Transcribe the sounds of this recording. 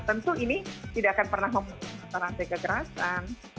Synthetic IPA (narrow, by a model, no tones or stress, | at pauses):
t̪ənt̪uinit̪idaʔakanpərnahməmulusat̪aɾand̪eɡaɡəɾasan